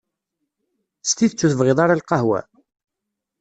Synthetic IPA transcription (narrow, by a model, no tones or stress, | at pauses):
st̪iθət͡sːuθəvʁeðˤaɾalqɑhwæ̰